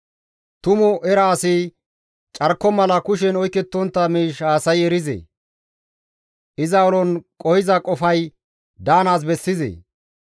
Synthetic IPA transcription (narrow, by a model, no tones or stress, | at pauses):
t̪ʊmʊʔɛɾaːsɪ | t͡ʃʼɐɾkːɔmɐlɐkʊʃɛnɔjkːɛt̪ːɔnt̪ːɐmiːʃaːsɐjɛɾɪzḛː | ʔɪzɐɔlɔnkʼɔhɪzɐkʼɔfɐj | d̪aːnaːs̬bɛsːɪzḛː